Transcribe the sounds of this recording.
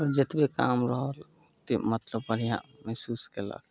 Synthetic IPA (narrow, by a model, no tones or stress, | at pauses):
ɔɾd͡ʒet̪bekaːmɾəɦəl | t̪emət̪ləbːəɽ̤ijã̰mɛɦsuːskela̰k